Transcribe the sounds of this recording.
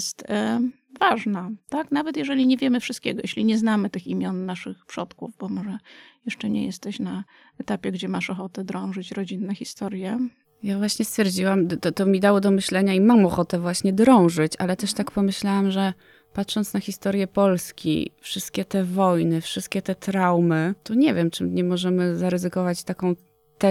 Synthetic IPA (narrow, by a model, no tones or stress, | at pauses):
st̪ | vaʐnat̪aknavɛt̪jɛʐɛlʲiɲɛvʲjɛmɘfʂɨst̪̚kʲɛɡɔjɛɕlʲiɲɛznamɘt̪ɘximʲjɔnːaʂɘxpʂɔt̪kuvbɔmɔʐɛjɛʂt͡ʂɛɲɛ̰jɛst̪ɛɕna | ɛt̪apʲjɛɡd͡ʑɛmaʂɔxɔt̪ɛd̪ɾɔ̃w̃ʐɘt͡ɕɾɔd͡ʑinːɛxʲist̪ɔɾjɛ | javwaɕɲɛst̪fʲjɛɾd͡ʑiwamt̪ɔt̪ɔmʲid̪awɔd̪ɔmɘɕlɛɲaimamɔxɔt̪ɛvwaɕɲɛd̪ɾɔ̃w̃ʐɘt͡ɕalɛt̪ɛʂt̪akpɔmɘɕlawamʐɛ | pat̪ʂɔnt̪snaxʲist̪ɔɾjɛpɔlskʲḭfʂɘst̪̚kʲɛt̪ɛvɔjnɘfʂɘst̪̚kʲɛt̪ɛt̪ɾawmɘt̪ɔɲɛvʲjɛmt͡ʂɘmɲɛmɔʐɛmɘzaɾɘzɘkɔvat͡ɕt̪akɔ̃w̃ | t̪ɛ